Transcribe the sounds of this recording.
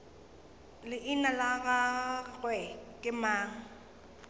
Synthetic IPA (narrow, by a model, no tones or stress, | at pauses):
lɪʔɪnalaɣaɣwɛkʼɪmaːŋ̩